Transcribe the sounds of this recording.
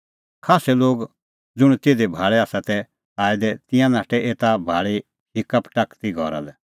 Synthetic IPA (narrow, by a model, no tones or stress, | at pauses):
kʰaːsɛloːɡ | d͡zʊɽ̃t̪eːd̪ɛbʱaːɭɛaːsat̪ɛ | aːɪd̪ɛt̪ɪ̃jãnaːʈɛʔeːt̪abʱaːɭi | hɪkəpʈakt̪iɡʱɔ̰ɾa̰lɛ